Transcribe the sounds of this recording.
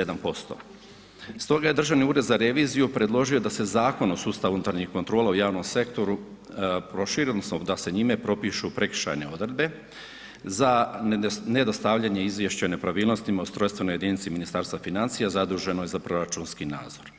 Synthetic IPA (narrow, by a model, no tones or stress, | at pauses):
ed̪anpo̞st̪o̞̰ | st̪o̞ɡaje̞d̪r̩ʒaʋniuːɾe̞d̪zaɾe̞ʋiːzijupɾe̞d̪lˠo̞ʒio̞d̪ase̞zaːko̞nosuːst̪aʋunut̪aɾɲixko̞nt̪ɾo̞ːlaujaːʋno̞mse̞kt̪o̞ɾu | pɾo̞ʃiɾid̪nosnod̪ase̞ɲime̞pɾo̞piʃupɾe̞kʃa̰jne̞o̞d̪ɾed̪be̞ | za | ne̞d̪ost̪aʋʎaɲe̞izʋjeʃt͡ɕaone̞pɾaʋiːlˠno̞st̪imaost̪ɾo̞jst̪ʋe̞no̞je̞d̪iːnit̪siminist̪aːɾst̪ʋafinant̪sijazad̪ɾuːʒe̞nojezapɾo̞ɾat͡ʃunskina̰ːd̪zo̞ɾ